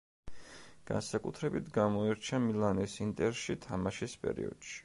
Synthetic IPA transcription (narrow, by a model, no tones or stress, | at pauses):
ɡ̥a̰nsakʼut̪ʰɾɛbit̪ʰɡamɔiɾt͡ʃʰamilˠanisint̪ʼɛɾʃit̪ʰamaʃispʼɛ̰ɾḭɔ̰d̪̥ʃi̥